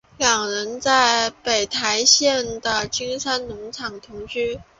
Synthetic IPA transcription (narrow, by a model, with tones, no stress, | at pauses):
ljɑ˨˩ŋɻə˧˥nt͡sa˥˩ɪpe˨˩ɪt̪ʰa˧˥ɪɕjɛ˥˩nd̪ə˩t͡ɕi˥ŋsa˥nnʊ˧˥ŋʈ͡ʂʰɑ˨˩ŋt̪ʰʊ˧˥ŋt͡ɕy˥